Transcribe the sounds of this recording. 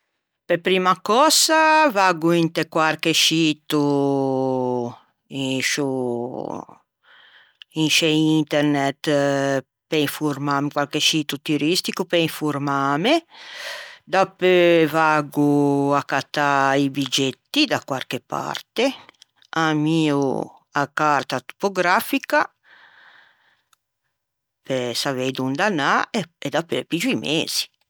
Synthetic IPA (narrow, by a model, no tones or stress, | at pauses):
pepɾiːmakɔsavaɡuint̪ekwaɾkeʃiːt̪u | iʃu | inʃeint̪eɾnɛt̪ | peiɱfuɾmaːmikwalkeʃiːt̪ut̪uɾist̪ikupeiɱfuɾmaːme | d̪apøvaːɡuakːat̪ːaibid͡ʒet̪ːid̪akwarkepa̰rt̪e | amiːu | akaɾt̪at̪u̥poɡɾafika | pesaved̪und̪anaeed̪apøpid͡ʒuimeːz̥i̥